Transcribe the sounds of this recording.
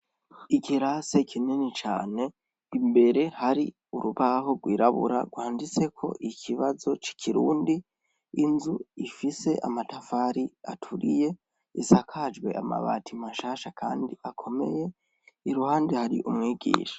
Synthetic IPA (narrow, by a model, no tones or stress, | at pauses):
ikʰiɾase̞kʰinenit͡ʃa̰ːne̞ | imbe̞ɾe̞haɾi | uɾuβaɦo̞ɡwiːɾaβṵɾa̰ɡwaːndit͡se̞kʰo̞̰ʔikʰiβazo̞t͡ʃi̥kʰiɾuːndiː | nzuifise̞ʔamatafaɾiatʰuɾije̞ | isakʰad͡ʒɡwe̞̰ʔa̰ma̰βa̰ːtimaʃaːʃakʰaːndiʔakʰo̞me̞̰je̞ | iɾuhaːndihaɾḭʔumŋiːɡḭːʃḁ